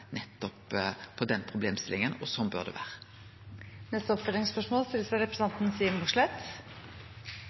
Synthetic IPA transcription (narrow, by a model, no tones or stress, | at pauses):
nɛt̪ːɔppʰːɔd̪ɛnpʰʁʊbleːmst̪ɪlɪŋənɔsɔmbø̰ʁd̪ɛ̰ʋæːʁə | nɛst̪əɔpfœɾd̪ɪŋspœʂmoːlst̪ɪləsæɪɾɛpɾəsɑnt̪n̩siːmbʊʂɭɛt̪